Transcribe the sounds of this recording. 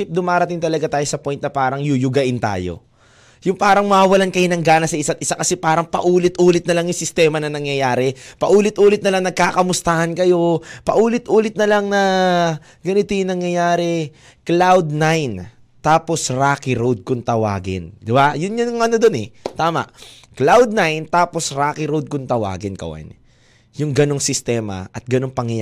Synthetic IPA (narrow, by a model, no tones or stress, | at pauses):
ɪp̚d̪ʊmaːɾɐt̪iŋt̪ɐlɐɡat̪aːjosɐpojnt̪̚nɐpaːɾɐŋjʊjʊɡɐʔɪnt̪a̰ːjo̰ | jʊŋpaːɾɐŋmɐawɐlankɐjɪnɐŋɡaːnɐsɐʔɪsat̪ʔɪsakɐsɛpaːɾɐŋpɐʔuːlɪt̪ʔuːlɪt̪̚nɐlaŋjʊŋsɪst̪ɛːmɐnɐŋnɐŋjɐjaːɾɛpɐʔuːlɪt̪ʔuːlɪt̪̚nɐlaŋnɐɡ̚kaːkɐmʊst̪ahɐnkɐjo̞pɐʔuːlɪt̪ʔuːlɪt̪̚nɐlaŋnɐ | ɡɐnɪt̪ɪnɐŋjɐjaːɾɛ | klawd̪̚najn | t̪aːpo̞sɾaːkɪɾowd̪̚kʊnt̪ɐwa̰ːɡɪ̰nd̪ɪbajʊnɲanʊŋɐnod̪o̞nɛt̪aːmɐ̰ʔ | klawd̪̚najnt̪aːposɾaːkɪɾowd̪̚kʊnt̪ɐwa̰ːɡɪnkɐ̰wa̰n | jʊŋɡɐno̞ŋsɪst̪ɛːmɐ̰ʔɐt̪̚ɡɐno̞ŋpɐŋjɐ